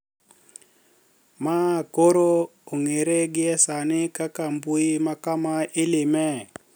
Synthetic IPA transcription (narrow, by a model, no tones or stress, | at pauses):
makoɾouŋeɾeɡiɛsanikakambuimakamailimɛ